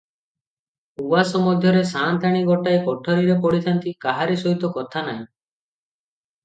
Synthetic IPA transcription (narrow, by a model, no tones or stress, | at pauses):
uwasɔmɔd̪ʱjɔɾesant̪aɽ̃iɡɔʈaekɔʈʰɔɾiɾepɔɽit̪ʰant̪ikaɦaɾisɔɦit̪ɔkɔt̪ʰanaɦĩ